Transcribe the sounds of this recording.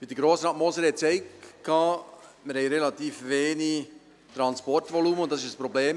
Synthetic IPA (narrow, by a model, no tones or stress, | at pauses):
pɪd̥̪əɡɾoːsɾɑːtmɔsəɾhɛtt͡sɛɪkkʰːɑːmɪɾhɛɪɾelɑt̪iːfveːni | t̪ɾɑnspɔrtvɔluːməʊntd̥̪ɑsɪʃəspɾɔbleːm